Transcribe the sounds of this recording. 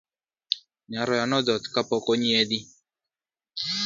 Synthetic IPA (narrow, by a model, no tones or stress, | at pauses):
ɲaɾɔjanɔd̪ɔt̪kapɔkɔɲied̪i